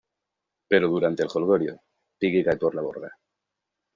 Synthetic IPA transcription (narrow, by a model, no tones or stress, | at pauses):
pe̞ɾoðuɾant̪elxolɣoɾjo̰ | piɣiɣajt̪oɾlaβoɾɣa